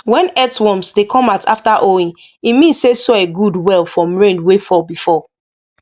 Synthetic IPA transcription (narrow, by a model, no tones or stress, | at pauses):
wɛ̃nɛtwɔ̃msdekʰɔ̃matʰa̰ftaʔoĩn | imĩnsːesɔeɡudwɛlˠfɹɔ̃mɹẽndwefɔbifɔ